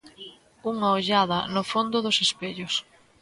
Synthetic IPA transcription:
uŋɐoʎaðɐnʊfond̪ʊðʊsespeʎʊs

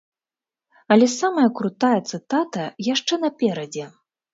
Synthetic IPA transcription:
ɐlʲɛsamɐjɐkɾut̪ajɐt̪sɨt̪at̪ɐjaʂt͡ʂɛnɐpʲɛɾɐd͡zʲɛ

